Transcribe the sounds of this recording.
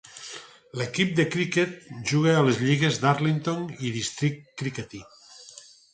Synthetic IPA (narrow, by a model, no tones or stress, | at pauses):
lekip̚d̪ekɾiket̪̚ʒuɣealezʎiɣezðaɾlint̪oniðist̪ɾit̪kːɾiket̪i